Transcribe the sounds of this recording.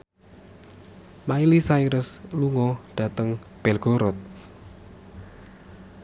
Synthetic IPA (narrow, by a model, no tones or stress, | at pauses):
mailisaiɾəsluŋɔɖ̥ä̤t̪əŋ | b̥ɛlɡ̥oɾɔt̪̚